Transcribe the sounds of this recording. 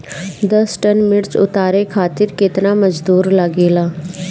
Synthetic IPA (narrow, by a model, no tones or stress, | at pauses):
d̪əsʈənmɪɽt͡ʃʊ̰t̪aːɾekʰaːt̪ɪɾkɪt̪naːməd͡ʒd̪uːɾləɡeːlaː